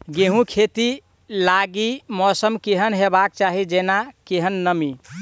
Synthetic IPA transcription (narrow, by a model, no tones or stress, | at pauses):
ɡeɦũkʰet̪i | laɡimɔsəmkeɦənɦebak̚t͡ʃaɦid͡ʒenakeɦənːəmi